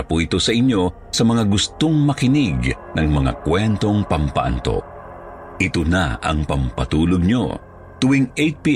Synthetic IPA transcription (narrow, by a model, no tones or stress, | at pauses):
ɐpujt̪osɐʔɪɲjo̞ | sɐmɐŋaɡʊst̪oŋmɐkɪnɪɡ | nɐŋmɐŋa̰kwɛnt̪o̞ŋpɐmpɐ̰ʔa̰nt̪o̰ | ʔɪt̪ona̰ɐ̰ŋpɐmpɐt̪uːloɡ̚ɲo̰ | t̪ʊwiŋejt̪̚pi